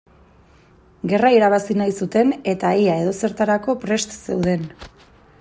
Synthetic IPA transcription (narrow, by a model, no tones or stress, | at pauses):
ɡe̞raiɾaβ̞asinajsut̪e̞ne̞t̪aeae̞ð̞o̞se̞ɾt̪aɾako̞pɾe̞st̪se̞wðe̞n